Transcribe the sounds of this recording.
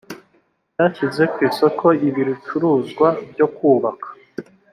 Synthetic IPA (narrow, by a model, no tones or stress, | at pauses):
jaçize̞kwiːso̞kʰo̞iβiɾit͡ʃuɾuzɡwabjo̞kuːβakʰḁ